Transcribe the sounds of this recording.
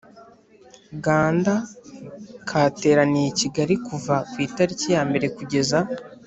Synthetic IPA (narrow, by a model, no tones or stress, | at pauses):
ɡaːnda | kʰaːte̞ːɾanijeciɡaɾikuvakwiːtaɾicijaːmbe̞ɾe̞kuɟe̞za